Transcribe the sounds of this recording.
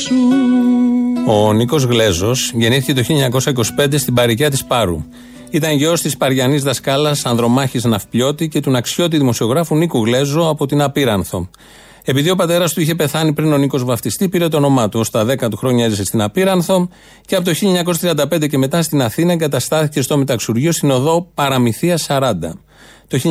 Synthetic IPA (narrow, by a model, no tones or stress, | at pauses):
o̞niko̞zɣle̞zo̞sʝe̞niθicet̪o̞çiʎɐɲɐko̞sɐiko̞si̥pe̞nd̪e̞st̪ibɐɾicɐt̪ispɐɾṵ | it̪ɐɲʝeo̞st̪ispɐɾʝɐnizðɐskɐlɐsɐnðɾo̞mɐçiznɐfpʎo̞t̪ice̞t̪unɐkso̞t̪̬iðimo̞sio̞ɣɾɐfunikuɣle̞zo̞ɐpo̞t̪inɐpiɾɐnθo̞̰ | e̞piðio̞pɐt̪e̞ɾɐst̪uiçe̞pe̞θɐnipɾino̞niko̞zvɐft̪ist̪ipiɾe̞t̪oːno̞mɐt̪uo̞st̪ɐðe̞kɐt̪uxɾo̞ɲɐezese̞st̪inɐpiɾɐnθo̞ | ceɐpot̪oçiʎɐeɲɐko̞s̬ɐt̪ɾiɐnd̪ɐpend̪ece̞me̞t̪ɐst̪inɐθinɐeŋɡɐt̪ɐst̪ɐθice̞st̪o̞met̪ɐksuɾʝiost̪ino̞ðo̞pɐɾɐmiθiɐsɐɾɐnd̪ɐ̰ | t̪o̞çi